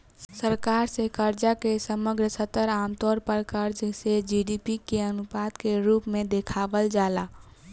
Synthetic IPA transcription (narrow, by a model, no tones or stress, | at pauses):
ssəɾkaɾsekəɾd͡ʒakesəməɡɾəsət̪əɾamt̪ɔːɾpəɾkəɾd͡ʒsed͡ʒiɖipikeənupad̪keɾupmẽd̪ekʰabəld͡ʒala